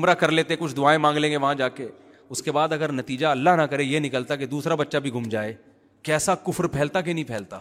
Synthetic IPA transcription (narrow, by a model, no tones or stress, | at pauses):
ʊmɾakɐɾleːt̪eɛkʊt͡ʃʰd̪ʊaːẽmãːŋɡlẽːŋɡeʋɐɦãd͡ʒaːke | ʊskebaːd̪ɐɡəɾnɐt̪iːd͡ʒaɐlːaɦnakɐɾejenɪkəlt̪aked̪uːsɾabɐtːʃabʱiɡʱʊmd͡ʒaːeː | kɛːsakʊfɾpʰɛːlt̪ak̬enɐɦĩpʰɛːlt̪aː